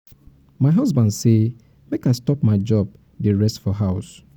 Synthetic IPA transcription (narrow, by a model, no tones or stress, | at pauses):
maɪɦazbãndse | mekaɪstɔpmaɪd͡ʒɔb̚ | deɹɛstfɔɦaʊs